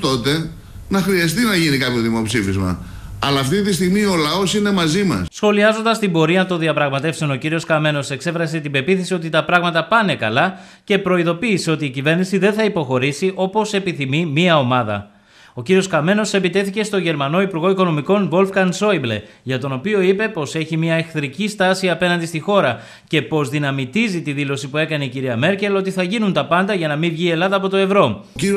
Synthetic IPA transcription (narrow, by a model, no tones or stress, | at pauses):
t̪o̞t̪e̞ | nɐxɾiɐs̬t̪inɐʝinikɐpço̞ðimo̞psifizmɐ̰ | ɐlɐːft̪it̪ist̪iɣmio̞lɐo̞sine̞mɐzimɐ̰ssxo̞liɐzo̞nd̪ɐst̪imbo̞ɾiɐt̪o̞nðiɐpɾɐɣmɐt̪e̞fseo̞no̞ciɾio̞skɐme̞no̞se̞kse̞fɾɐset̪ibe̞piθesio̞t̪it̪ɐpɾɐɣmɐt̪ɐpɐne̞kɐlɐ | ce̞pɾo̞iðo̞piːseo̞t̪iːcive̞ɾnisiðe̞nθɐipo̞xo̞ɾisiʔo̞po̞se̞piθimimiɐo̞mɐðɐ̰ | o̞ciɾio̞skɐme̞no̞se̞pit̪e̞θice̞st̪o̞ʝe̞ɾmɐno̞ipuɾɣo̞iko̞no̞miko̞nvo̞lfkɐnso̞ible | ʝɐt̪o̞no̞pio̞ipe̞po̞se̞çimiɐe̞xθɾicist̪ɐsiɐpe̞nɐnd̪ist̪ixo̞ɾɐ | ce̞po̞zðinɐmit̪izit̪iðilo̞sipue̞kɐne̞iciɾiɐme̞ɾce̞lo̞t̪iθɐʝinunt̪ɐpɐnd̪ɐʝɐnɐmivʝie̞lɐðɐːpo̞t̪o̞e̞vɾo̞